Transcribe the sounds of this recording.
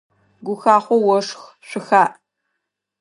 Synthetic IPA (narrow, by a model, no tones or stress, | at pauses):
ɡʷʊxaːχʷɔwɔʂx | ɕʷʊxaːʔ